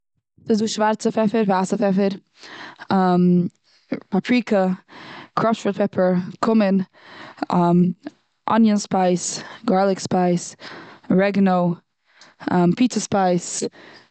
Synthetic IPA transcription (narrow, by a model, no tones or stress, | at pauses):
sɪduːʃvaɾt͡səfɛfəɾvasəfɛfəɾ | am | papʰɹiːkʰə | kʰɾɔfʃɾəpʰɛpʰəɹkʰʊmɪn | ʔɔ̰njənspaɪsɡɔɹlˠɪkspaɪs | ɹɛɡnoʊ | mpiːt͡səspaɪs